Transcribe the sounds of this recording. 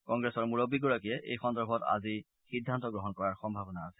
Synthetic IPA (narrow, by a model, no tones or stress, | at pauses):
kɔŋɡɹɛsɔɹmuɹobːiɡɔɹakijɛʔḛjxɔndɔɹbʱɔta̰zi | xidʱːantɔɡɹɔɦɔnkɔɹaɹxɔmbʱabɔnaːsɛ̥